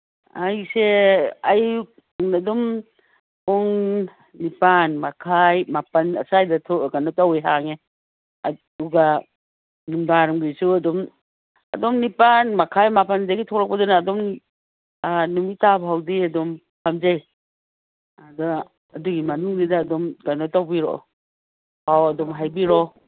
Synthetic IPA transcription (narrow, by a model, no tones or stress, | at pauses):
ajseaj | ŋnadɔm | oŋ | nipanmakʰajmapɐnɐ̰sajdɐtʰɔɡanɔtawejɦaŋe | uɡa | numdaɾumɡisuɐdɔm | ɐ̰dɔmnipanmakʰajmapanzajɡitʰɔɾak̚pɐdɔnaːdɔm | numitabɦawdiadɔm | hʰamzaj | adaː | duɡimanuŋdidaːdɔmɡanɔtawbiɾɔ̰ | hawɐdɔmɦajbiɾɔ